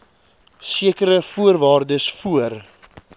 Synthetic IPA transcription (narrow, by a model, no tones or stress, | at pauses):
siəkəɾəfuərvɑːrdəsfuər